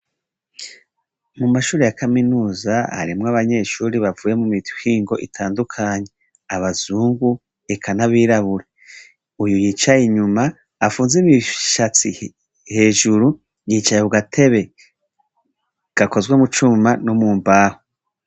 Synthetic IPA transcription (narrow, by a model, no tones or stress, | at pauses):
mumaʃuːɾejakaminuːzaa̰ɾimŋaβaɲe̞ʃuːɾiβavuːje̞mumihiːŋɡo̞ʔitʰaːndukʰaɲe̞ | aβaz̥uːŋɡu | ekʰanaβiːɾaβuɾe | ujujiːt͡ʃajiɲumaː | fuːnzimiʃat͡si | he̞ːʒuɾu | jiːt͡ʃajeβuɡatʰe̞βe̞ | ɡ̥ako̞zɡwemut͡ʃumanomuːmbaho